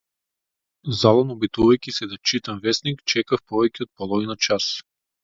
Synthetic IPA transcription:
zalˠɔnɔbit̪uvajkʲisɛd̪at͡ʃit̪amvɛsnikt͡ʃɛkafpɔvɛcʲɛɔt̪̚pɔlˠɔvinat͡ʃas

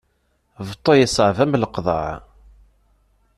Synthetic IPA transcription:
vt̪ˤːojəsəʕvæmləqðˤɑ̰ʕ

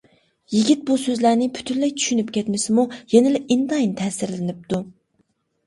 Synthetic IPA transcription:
jiɡʲit̪̚busøzlæɾnɪpʰy̥t̪ʰynlɛjt͡ʃ̪ʰy̥ʃynypkʲɛt̪mɪsɪmujɛnɪlɪʔint̪ɑjint̪ʰɛːsɪɾlɪnyp̚t̪u

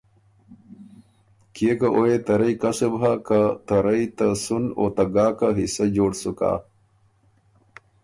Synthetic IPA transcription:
kekaʔojet̪ɐɾɐjkasəbɦakat̪ɐɾɐjt̪ɐsuno̰t̪ɐɡaːkaɦisɐd͡ʑoːɽsuka̰ː

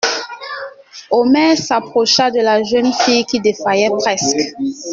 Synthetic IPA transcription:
ɔmɛʁsapχɔʃad̪əlaʒœnfijkid̪efajɛpχɛsk

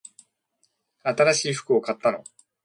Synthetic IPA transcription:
at̪aɾaɕiːɸɯ̟̥kɯ̟o̞kat̪ːano̞̰

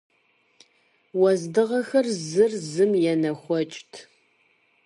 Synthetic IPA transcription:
wɔzdɨʁɐxɐrzɨrzɨmjɛnɐxʷɔt͡ʃʼtʰ

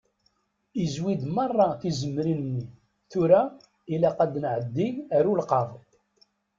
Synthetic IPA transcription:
izwid̪mɑrˤːɑθizəmːɾinənːi | θʊɾæ | ilæqad̪nʕəd̪ːiæɾulqɑvˤ

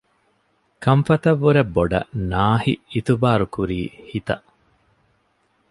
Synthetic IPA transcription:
kɐmfɐt̪ɐʋːuɾebːoɖɐ̰naːhiit̪ubaːɾukuɾiːhit̪ɐ̰ʔ

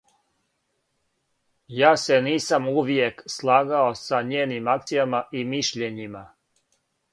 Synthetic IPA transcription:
jaːse̞niːsamuʋjekslˠaːɡaosaɲeːnimak̚t̪sijamaʔimiʃʎe̞ɲima

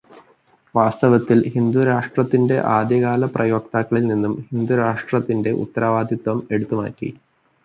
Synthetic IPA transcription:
ʋaːst̪ɐʋɐt̪ːilhind̪uɾaːʂʈrɐt̪ːinde̞ʔaːd̪jɐɣaːlɐprɐjo̞ːk̚t̪aːkːɐɭilninːumhind̪uɾaːʂʈrɐt̪ːinde̞ʔṵt̪ːɐɾʔaːʋaːd̪ʱit̪wɐme̞ɽut̪ːuma̰ːtːḭ

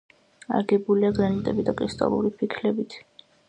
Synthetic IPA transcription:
a̰ɾɡɛbuliaɡɾanit̪ʼɛbid̪akʼɾist̪ʼa̰lˠṵɾipʰikʰlɛbit̪ʰ

